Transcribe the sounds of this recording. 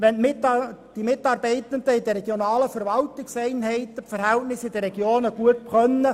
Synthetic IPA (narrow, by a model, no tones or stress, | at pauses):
ʋɛnmɪd̥imɪtːɑːɾbɛɪt̪ənd̪əɪd̪əɾɛɡ̥jonɑːləfɛɾvɑltɪksɛɪnɦɛɪtəfəɾhɛltnɪsɪd̥̪əɾɛɡ̥joːnəɡ̥uətpχœnːə